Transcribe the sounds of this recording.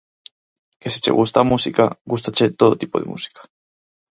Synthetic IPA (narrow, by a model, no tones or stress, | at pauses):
kesi̥t͡ʃḛɣust̪amusikaɡust̪at͡ʃet̪oð̞ot̪ipo̞ðemṵsi̥kḁ